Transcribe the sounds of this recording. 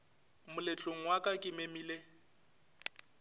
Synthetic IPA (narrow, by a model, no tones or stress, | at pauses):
mʊlet͡ɬʼoŋ̩wakʼakʼɪmemiːle